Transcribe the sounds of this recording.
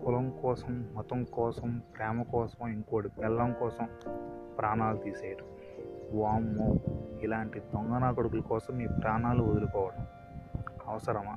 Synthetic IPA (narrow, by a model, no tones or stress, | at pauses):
kulɐmkɔːsɐmːɔt̪ɐmkɔːsɐmpɾɛːmɐkɔːsɐmoiŋkːɐɽipɛlːɐŋkɔːsɐmpɾaːnaːlut̪iːseːjʈu | ʋaːmːoːilaːɳʈid̪ɔŋɡɐnaːkoɽukulɐkɔːsɐmiːpɾaːnaːluod̪ulukɔːʋɐɽɐm | ɐʋɐsɐɾɐmaː